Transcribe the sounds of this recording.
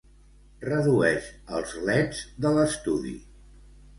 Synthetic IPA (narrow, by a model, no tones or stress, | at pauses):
rəðuɛʃəlˠzlɛd͡zðələst̪uðḭ